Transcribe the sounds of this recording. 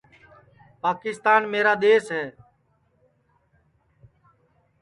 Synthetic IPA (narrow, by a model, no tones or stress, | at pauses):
paːkɪst̪aːnmeːɾaːd̪eːsɦɛː